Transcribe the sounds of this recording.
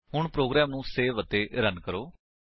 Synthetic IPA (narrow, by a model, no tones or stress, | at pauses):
ɦʊɳpɾoːɡɾɛːmnũːseːʋət̪eːʔɾənkəɾoː